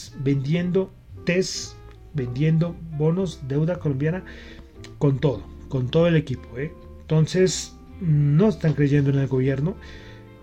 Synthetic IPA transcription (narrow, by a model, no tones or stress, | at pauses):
sbe̞nd̪je̞nd̪o̞ | t̪e̞s | be̞nd̪je̞nd̪o̞bo̞no̞sd̪e̞wðako̞lo̞mbjana | ko̞nt̪o̞ðo̞ko̞nt̪oðo̞e̞le̞kipo̞e | nt̪o̞nse̞s | no̞est̪aŋkɾeʝe̞nd̪oene̞lɡo̞βje̞ɾno